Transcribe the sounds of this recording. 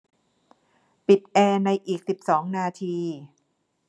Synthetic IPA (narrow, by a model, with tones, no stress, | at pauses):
pi˨˩t̪̚ʔɛː˧na˧jʔiː˨˩k̚si˨˩p̚sɔː˩˦ŋnaː˧t̪ʰiː˧